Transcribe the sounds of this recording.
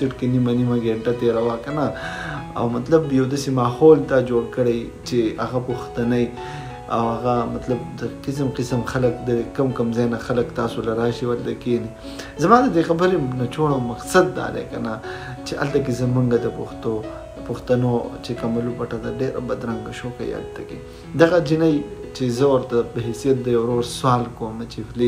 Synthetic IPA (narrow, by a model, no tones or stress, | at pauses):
sɪʈkenimanimaɡeːɳʈat̪eɾawakɐnaa̰wmɐt̪lɐbjawd̪asemɑːhoːlt̪ad͡ʒoːɽkəɽejt͡ʃeaɣapoxt̪anaj | awaɣamɐt̪lab̚d̪əqɪs̬mqɪsəmxaləkd̪əkɐmkɐmzanaxaləkt̪aːsolaɾaːʃiwalt̪akeni | zɐmɑːd̪əd̪exɐbəɾemnat͡ʃoɽawmɐqsɐd̪ːa̰ːd̪ḛkana | t͡ʃeʔɐ̰lt̪akezəmuŋɡad̪əpʊxt̪o | pʊxt̪anot͡ʃekamalupaʈad̪aɖeɾa̰bad̪ɾɐŋɡaʃoːka̰j̰a̰lt̪ake | d̪ɐɣad͡ʒinajt͡ʃezəwɐɾt̪apəɦesijɐt̪̚d̪ɐjawɾoːɾswɑːlkomat͡ʃefli